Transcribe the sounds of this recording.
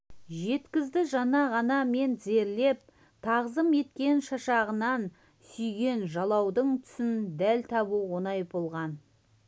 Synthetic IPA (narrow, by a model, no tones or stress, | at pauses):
ʒe̞t̪kʲɪzd̪ɪʒɑnɑʁɑnɑme̞nze̞ɾle̞p̚ | t̪ʰɑʁzəme̞t̪kʲe̞nʃɑʃɑʁənɑn | sʏjɡʲe̞nʒɑlˠɑwd̪əɴt̪ʰʏ̥sɪnd̪ælt̪ʰɑbuwonɑjbo̞lˠʁɑn